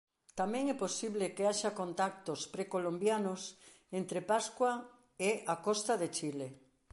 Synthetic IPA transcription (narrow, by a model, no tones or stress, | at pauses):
t̪amɛ̃ŋɛposiβlekeaʃakont̪ak̚t̪ospɾekolombjanos | ent̪ɾepaskwa | eakɔst̪aðet͡ʃile